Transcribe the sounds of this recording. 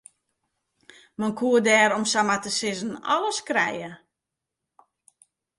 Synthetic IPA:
mankʰuədɛːɾomsamatəsɪzən̩ɔ̰ləskrɛ̰jə

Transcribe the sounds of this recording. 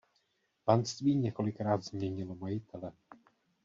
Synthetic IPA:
panst̪viːɲɛko̞lɪkɾaːd̪zmɲɛɲɪlomajɪt̪ʰɛlɛ

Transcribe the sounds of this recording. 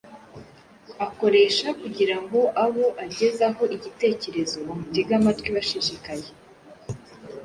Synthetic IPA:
ako̞ɾe̞ʃakuɟiɾaŋɡo̞ʔaβo̞ʔaɟe̞zaɦo̞ʔiɟite̞ːce̞ɾe̞zo̞umutiɡamatwiβaʃiʃikaje

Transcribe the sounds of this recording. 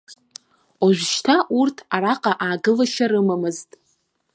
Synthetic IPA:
aʒʷᶣʃtʰaʔurtʰaɾaqʼaʔaːɡɨlaʃaɾɨmamɨztʼ

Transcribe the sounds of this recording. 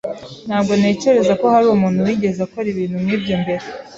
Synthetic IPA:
n̥haːbɡo̞ne̞ːce̞ɾe̞zako̞haɾumuːn̥huwiːɟe̞zakoɾiβiːnhumŋiːbjoːmbe̞ɾe

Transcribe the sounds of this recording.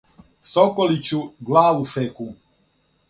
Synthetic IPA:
sokolit͡ɕuɡlaːʋuseku

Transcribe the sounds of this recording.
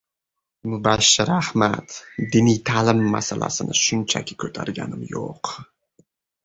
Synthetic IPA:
mʊbaʃːɪɾahmat̪d̪ɪnijt̪ʰalɪmːa̰salʔa̰sɪnɪʃʊnt͡ʃʰa̰kʲʰɪ̥kʲʰɵt̪ʰaɾɡʲa̰nɪmjoq

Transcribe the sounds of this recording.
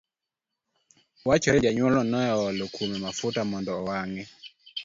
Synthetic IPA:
wat͡ʃɔɾɛd͡ʒaɲwɔlɔnɔɔɔlokʰumɛmafʊtamɔndɔwaŋɛ

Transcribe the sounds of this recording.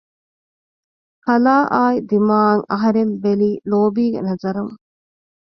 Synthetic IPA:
kɐlaːʔaːid̪imaːŋɐɦɐɾembeliːloːbiːɡḛnɐzɐɾɐŋ

